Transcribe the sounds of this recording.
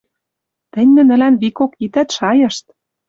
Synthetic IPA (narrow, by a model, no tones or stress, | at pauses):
t̪ɘ̆nʲnɘ̆nə̆lænβikokit̪æt̪ʃɑjɤ̆ʃt̪̚